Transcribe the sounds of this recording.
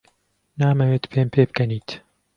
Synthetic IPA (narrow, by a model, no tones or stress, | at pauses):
naːmɐweːt̪pʰeːmpʰeːb̚kɛniːt̪